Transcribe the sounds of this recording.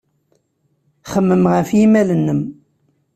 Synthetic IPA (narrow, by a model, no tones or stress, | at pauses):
χəmːəmʁəfjimælənːəm